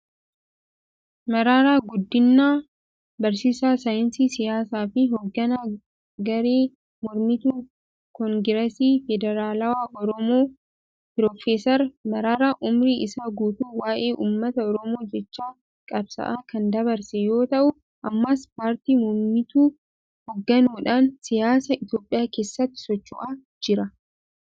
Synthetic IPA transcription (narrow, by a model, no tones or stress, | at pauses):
mɐɾaːɾaːɡʊd̪ːɪnːaː | bɐɾsiːsaːsajɪnsiːsɪjaːsaːfɪɦɔɡːɐnaː | ɡɐɾeː | mɔɾmɪt̪uː | kɔŋɡɪɾɐsiːfɛd̪ɛɾaːlɐwaːʔɔɾɔmoː | pɪɾɔːfeːsɐɾmɐɾaːɾaʔʊmɾiʔɪsaːɡuːt̪uːwaːʔeːʔuːmːɐt̪ɐɔɾɔmo̞ːd͡ʒɛt͡ʃːaː | kʼɐbsɐ̰ʔaːkɐnd̪ɐβɐɾsɛjo̞ːt̪ɐʔʊ | ʔɐmːaːspaːɾt̪iːmɔmɪt̪uː | hɔɡːɐnuːᶑaːnsɪjaːsɐɪt̪jo̞ːpʼːɪjaːke̞ːsːɐt̪ːɪ̥sɔt͡ʃːʊʔaː | d͡ʒɪɾɐ